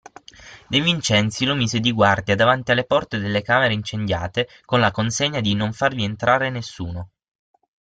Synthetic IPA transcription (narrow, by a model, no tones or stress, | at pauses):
d̪evint͡ʃɛnt̪silomiːzed̪iɡward̪jad̪avant̪ialːepɔrt̪ed̪elːekaːmeɾeint͡ʃend̪ja̰ːt̪e | konlakonseɲːad̪inoɱfarvient̪ɾaːɾenesːuːno